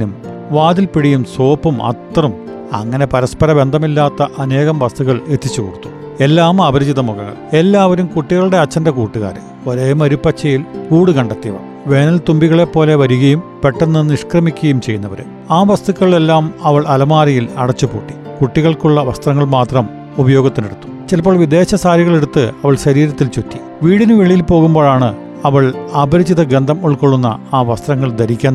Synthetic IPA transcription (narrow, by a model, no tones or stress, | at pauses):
num | ʋaːd̪ilpiɽijumso̞ːpːumɐ̰t̪rɐm | ɐ̰ŋːɐne̞pɐɾɐspɐɾɐbe̞nd̪ʱɐmilːaːt̪ːɐʔɐne̞ːɣɐmʋɐst̪ʰuɣɐɭet̪ʰːit͡ɕːukoɽut̪ːu̥ | e̞lːaːmɐʋɐɾud͡ʑiðɐmuɣɐŋːɐ̰ɭe̞lːaːʋɐɾumkuʈːiɣɐɭuɽe̞ɐt͡ɕːɐndɐkuːʈːuɣa̰ːɾɨ̰ | oɾeːjumɐɾupːɐt͡ɕʰːɐjilkuːɽukɐɳɖɐt̪ːiʋɐ̰ | ʋe̞ːnɐlt̪umbiɣɐɭe̞pːo̞ːle̞ʋɐɾuɣɐjumpe̞ʈːɐnːɨniʂkrɐmikʲːuɣɐjumt͡ɕejːunːɐʋɐɾṵ | aːʋɐst̪ukːɐɭɭelːaːmɐʋɐɭɐlɐmaːrijilɐɽɐt͡ɕːupṵːʈːi̥ | kuʈːiɣɐɭkuɭːɐʋɐst̪rɐŋːɐɭmaːt̪rɐm | ubɐjo̞ːɡɐt̪ːineɽut̪ːu̥t͡ɕelpːoːɭʋid̪e̞ːɕɐsaːɾiɣɐɭeɽut̪ːɨɐʋɐɭɕɐɾiːɾɐt̪ːilt͡ɕotːi̥ | ʋiːɽinɨʋeɭijilpo̞ːɣumbo̞ːɭaːɳɨ | ɐʋɐɭaːbɐɾit͡ɕːiðɐɡɾend̪ɐmuɭkoɭːunːɐ̰aːʋɐst̪rɐŋːɐɭd̪ɐɾikʲːan